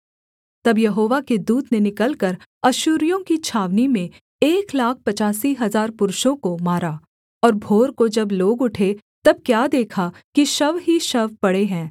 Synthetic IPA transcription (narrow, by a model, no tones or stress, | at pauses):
t̪ɐbjɐɦoːʋaked̪uːt̪nenɪkəlkəɾɐʃʊːɾijõkit͡ʃʰaːʋnimẽ | eːklaːk̚ʰpɐt͡ʃaːsiɦɐzaːɾpʊɾʃõkomaːɾaː | ɔːɾbʱoːɾkod͡ʒɐbloːɡʊʈʰe | t̪ɐb̚kjaːd̪eːkʰakiʃɐʋɦiʃɐʋpɐɽeɦɛ̃ː